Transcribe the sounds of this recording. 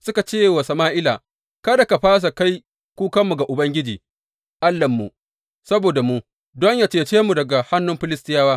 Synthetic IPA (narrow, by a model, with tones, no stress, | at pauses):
sʊ˦ka˨t͡ʃeː˦˨wɐ˨sɐ˨maː˦ʔɪ˦laː˨ | kɐ˦da˨ka˨ɸaː˦s̬a˨ka˦j | kʷuː˦kɐ˦mːu˨ɡa˨ʔʊ˨bɐ˦ŋɡʲɪ˦d͡ʒiː˨ | ʔa˦lːɐ˨mːu˨ | sɐ˦boː˨da˨mu˦ | dɔ˦ɲjaː˨t͡ʃeː˦˨t͡ʃeː˦mu˨dɐ˨ɡa˨ha˦nːʊ˦mɸɪ˦lɪ˦stɪ˦jaː˦waː˦